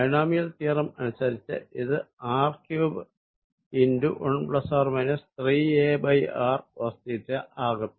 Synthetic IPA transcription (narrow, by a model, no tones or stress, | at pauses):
ɐjɳaːmijɐlt̪iːrɐmɐnusɐɾit͡ɕːɨ̰iðɨaːrkjuːbɨ | induʔuɳbɭɐsaːrmɐnɨst̪riːeːbɐjaːrʋɐst̪it̪ːɨʔaːɣum